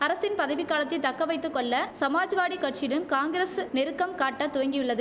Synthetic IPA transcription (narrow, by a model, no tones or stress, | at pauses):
ɐɾɐsɪnpɐðɐʋɪkːaːlɐt̪ːɪt̪ɐkːɐʋɐɪt̪ːɯkːɔɭːɐsɐmaːd͡ʒʋaːɽikːɐʈt͡ʃɪɽɯmkaːŋɡɪɾeːsnɪɾɯkːɐmkaːʈːɐt̪ːʊjɐŋɡijɯɭːɐðɯ